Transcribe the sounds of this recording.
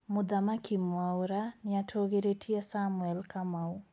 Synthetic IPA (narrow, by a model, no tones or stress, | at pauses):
mʊd̪amakimwawɾanɪatʰoɡeɾetʰiasamwɛlkamau